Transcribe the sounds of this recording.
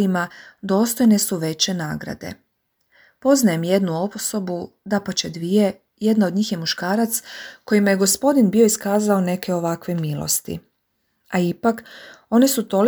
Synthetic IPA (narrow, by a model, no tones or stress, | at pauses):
imad̪o̞ːst̪o̞jne̞suʋe̞t͡ɕe̞na̰ːɡɾa̰d̪e̞̰ | po̞znaje̞mje̞d̪nuo̞pso̞bud̪apat͡ɕe̞d̪ʋije̞ | je̞d̪naod̪ɲiːxje̞muʃkaːɾat̪sko̞jimajeɡo̞spo̞d̪inbio̞iskaːzaone̞kʰe̞o̞ʋakʋe̞milo̰st̪ḭ | aipako̞nisut̪o̞l